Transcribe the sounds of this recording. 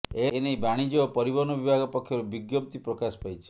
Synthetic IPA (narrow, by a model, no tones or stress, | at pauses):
enejbaɽ̃id͡ʒɔpɔɾibɔnɔbibʱaɡɔpɔkʰːjɔɾubiɡjɔp̚t̪ipɾɔkasɔ̥pajt͡ʃʰi̥